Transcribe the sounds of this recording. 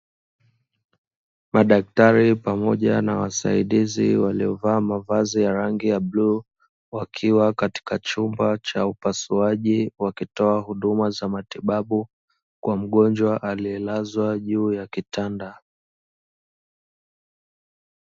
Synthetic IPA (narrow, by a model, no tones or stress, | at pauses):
maɗak̚taɾipamɔʄa̰na̰wa̰sa̰iɗizḭwaliɔvaːmavazijaɾaŋɡijablu | wakʰiwakati̥kat͡ʃumbat͡ʃaupasuaʄiwakitɔahuɗumazamatiɓaɓu | kwam̩ɠɔnd͡ʒwaʔaliɛlazwaʄuːjakitanda